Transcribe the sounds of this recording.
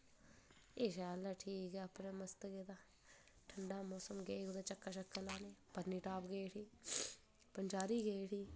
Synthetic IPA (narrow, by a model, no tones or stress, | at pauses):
eːʃaːlaːʈʰiːkɛːəpneːməst̪ɡeːd̪aː | ʈʰəɳɖaːmoːsəmɡeːkod̪aːt͡ʃəkːaːʃəkːəlaːneːpəd̪niːʈaːpɡeːʈiː | pənd͡ʒaːɾiːɡeʈiː